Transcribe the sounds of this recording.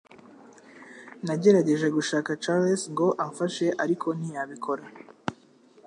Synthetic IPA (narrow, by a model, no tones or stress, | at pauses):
naɟe̞ɾaɟe̞ʒeɡuʃaːkat͡ʃalesŋɡo̞ʔaɱfaʃe̞ʔaɾikʰo̞n̥ijaβikʰo̞ɾa